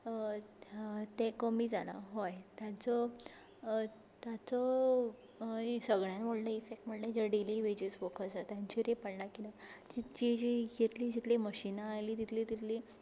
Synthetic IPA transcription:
t̪ekɔmiːd͡zala̰ɦojt̪jat͡sɔ | t̪jat͡sɔ | səɡɳjanʋoɭnəifek̚ʈm̤əɳnẽd͡ʑəɖiliʋed͡ʑesfokʰəsat̪jãɲt͡ɕiɾepəɽnakinad͡ʑid͡ʑid͡ʑijet̪lid͡ʑit̪liməɕinaːjliːt̪it̪ʰlit̪it̪li

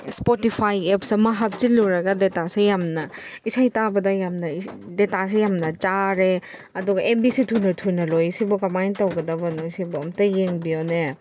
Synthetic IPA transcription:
spotipʰajepsɐmɐɦap̚siluɾɐɡɐdetasejamnɐisajtabɐdɐjamnɐ | detas̬ejamnɐt͡ʃaɾe | ɐduɡɐʔembisitʰunɐtʰunɐlojsibɔkɐmajntɐwɡɐdɐbɐnojsibɔɐmtɐjeŋbione

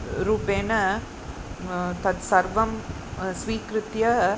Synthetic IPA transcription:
ɾuːpeːnɐ | t̪ɐd̪sɐɾʋɐm | sʋiːkɾɯt̪jɐ

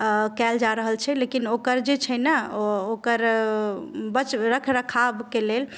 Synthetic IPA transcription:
kɛld͡ʒaɾəɦəlt͡ʃʰɛlekinokəɾd͡ʒet͡ʃʰənəokəɾ | bət͡ʃɾəkʰɾəkʰabkelel

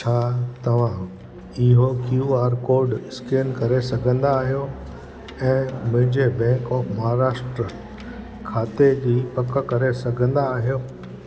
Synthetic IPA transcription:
t͡ɕʰaːt̪ɐʋ̤ã | ɪɦokjuaːɾkoːɾɖɪskeːnkɐɾesɐɡʱə̃nd̪aːɦijo | ɛ̃ːmʊ̃ɦɪ̃ɲd͡ʑebɛ̃ːkɔːfmɐɦaɾaːʃʈɾə | kʰaːt̪ed͡ʑiːpɐkəkɐɾesɐɡʱə̃nd̪aːɦijoː

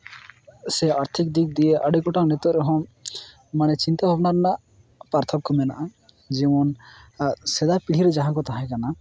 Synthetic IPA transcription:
seaɾt̪ʰik̚d̪ik̚d̪ijeʔaɖikɔʈaŋnet̪ɔɾeɦɔ̃ | manɛt͡ʃint̪abʱɔbnaɾnaʔ | paɾt̪ʰɔkkɔmɛna̰ʔa | d͡ʒɛmɔn | sɛd̪apiɽ̤iɾed͡ʒaɦãkɔt̪aɦãkana

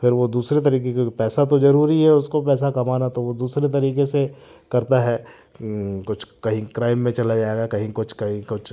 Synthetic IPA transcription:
fɪɾʋod̪uːsɾet̪̬ɐɾiːk̬ekepɛːsat̪̬ozɐɾuːɾiɦɛʊskopɛːs̬akɐmaːnat̪oʋod̪uːsɾet̪̬ɐɾiːkesekɐɾt̪aɦɛ | kʊt͡ʃʰkɐɦĩkɾaːɪmːẽt͡ʃɐlad͡ʒaːeːɡakɐɦĩkʊt͡ʃʰkɐɦĩkʊt͡ʃʰ

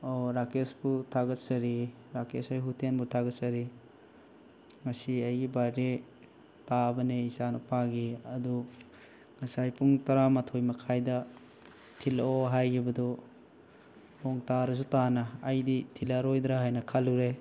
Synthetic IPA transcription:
oɾakesbutʰaɡɐt̚sɐɾi | ɾakesajɦutenbutʰaɡɐt̚sɐɾi | ŋɐsiajɡibade | tabɐneisanupaɡiɐdu | ŋɐsajpuŋtɐɾamɐtʰojmɐkʰajdɐ | tʰiloɦajɡibɐdɔ | ɔŋtaɾɐs̬utanɐːjditʰilaɾojdɾaɦajnɐkʰaluɾe

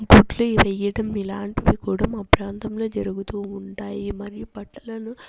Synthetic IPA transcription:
ɡuʈluʋɛjːɐɽɐmilaːɳʈiʋikuːɽɐmːpɾaːnt̪ɐmlo̞ːd͡ʒɐɾuɡut̪uːuɳʈaːjimɐɾijubɐʈːɐlɐnu

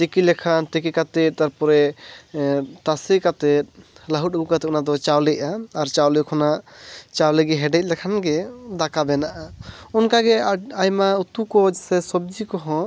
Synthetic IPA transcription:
t̪ekilɛkʰant̪ik̬ikat̪ɛt̪̚t̪aɾpɔɾɛ | t̪asɛkat̪ɛt̪̚laɦuɔɡukat̪ɛt̪ɔnad̪ɔt͡ʃawlɛcaːɾt͡ʃawlɛkʰɔnat͡ʃawlɛɡɛɦɛɖɛt̪̚lɛkʰanɡɛd̪akabɛnaʔaɔnkaɡɛajmaut̪ukɔd͡ʒsɛsɔb̚d͡ʒikɔɦɔ̃

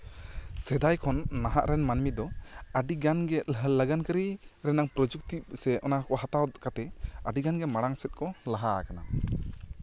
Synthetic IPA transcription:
sɛd̪ajkʰɔnːaɦaʔɾɛnmanmit̪̚d̪ɔəɖiɡanɡɛt̪ɦləɡankəɾiɾɛnaŋpɾɔd͡ʒuk̚t̪ip̚sɛʔɔnakɔɦat̪awd̪ɔkat̪ɛəɖiɡanɡɛmaɽaŋsɛt̪̚kɔlaɦa̰kana

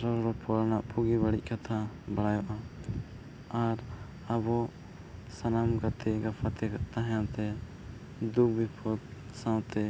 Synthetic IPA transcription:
ɾɔɾɾɔpɔlnaʔpʰuɡibaɽic̚ˀkat̪ʰa | bəɽajɔʔa | aɾ | abɔ | sanamɡat̪ɛɡapʰat̪ɛt̪aɦjãt̪ɛ | d̪uɡ̚bipʰɔt̪ | sãw̃t̪ɛ

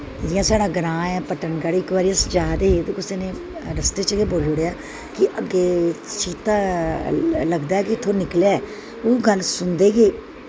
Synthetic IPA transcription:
d͡ʒɪjãːsaːɽaːɡɾãːɛːpəʈənɡaɽɪkːʋaːɾiəsd͡ʒaːd̪eːɦet̪eːkʊseːnẽː | ɾəst̪eːt͡ʃəɡeːboːld͡ʒoɽejaː | kɪʔəɡeːt͡ʃiːt̪aː | ləɡd̪aːɛːkɪt̪ʰːoːnɪklaː | oːɡəlsʊnd̪eːɡeː

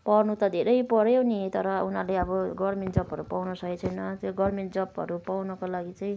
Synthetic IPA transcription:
pʌrnut̪ʌd̪ʱeɾʌjpʌɾjonit̪ʌɾʌunaleʌbʌɡʌrmenʈd͡zʌpɦʌɾupawnʌsʌkit͡sʰʌjnʌt̪joɡʌrmeɳʈd͡zʌpʌ̰ɾupawnʌkolaɡit͡sʌĩ

